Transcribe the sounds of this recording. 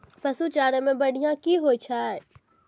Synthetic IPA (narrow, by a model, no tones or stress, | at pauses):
pɐsut͡ʃaːɾəmẽbɐɽ̤ijãkiɦoːit͡ʃʰaːe